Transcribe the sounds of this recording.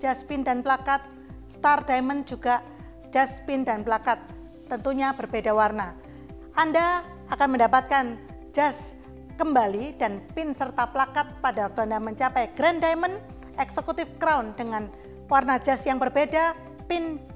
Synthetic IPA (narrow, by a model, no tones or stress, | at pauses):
d͡ʒaspɪndanplakat̪̚ | st̪ardajmənd͡ʒuɡa | d͡ʒaspɪndanplakat̪̚ː | ənt̪uɲabərbedawarna | ʔandaː | kanməndapat̪̚kan | d͡ʒas | kəmbalidanpɪnsərt̪aplakat̪̚padawak̚t̪uandaməɲt͡ʃapɛjɡ̥ɾɛndajmən | ɛksəkut̪ɪfkɾawndəŋan | warnad͡ʒasjaŋbərbeda | pɪn